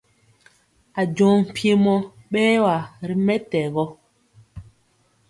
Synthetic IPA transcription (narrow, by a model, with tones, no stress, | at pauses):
a˨d͡ʒɔ̃ː˨˦m̩˨pje˦mɔ˦ | ɓɛː˦wa˨ɾi˦mɛ˦tɛ˨ɣɔ˦